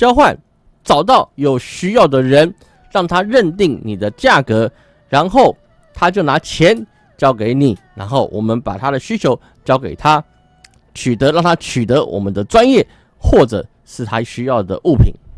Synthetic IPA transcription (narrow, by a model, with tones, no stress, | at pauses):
t͡ɕjɑ˥ʊxwa˥˨n | t͡sɑ˨˩ʊt̪ɑ˥˩ʊjo˨˩ʊɕy˥jɑ˥˩ʊd̪ə˩ɻə˧˦n | ɻɑ˥˩ŋt̪ʰa˥ɻə˥˨nt̪i˥˩ŋni˨˩d̪ə˦t͡ɕja˥˩kɤ˧˥ | ɻa˧˦nxo˥˩ʊ | t̪ʰa˥t͡ɕjo˥˩ʊna˧˥t͡ɕʰjɛ˨˦n | t͡ɕjɑ˥ʊke˨˧˥ɪni˨˩˦na̰˧˥nxo˥˩ʊwʔɔ˨˩mə˦npa̰˨˩t̪ʰa˦ɾə˨ɕy˥t͡ɕʰjo˧˥ʊ | t͡ɕjɑ˥ʊke˨˩ɪt̪ʰa˦ | t͡ɕʰy˨˩t̪ə˧˦ɻɑ˥˨ŋt̪ʰa˥t͡ɕʰy˨˩t̪ɤ˧˦wʔɔ̰˨˩mə˦nd̪ə˨ʈ͡ʂwa˦njɛ˥˨ | xwɔ˥˩ʈ͡ʂɤ̰˨˩ | ʂɻ̩˥˩t̪ʰa˥ɕy˥jɑ˥˩ʊd̪ə̰˩ʔu˥˩pʰḭ˨˩n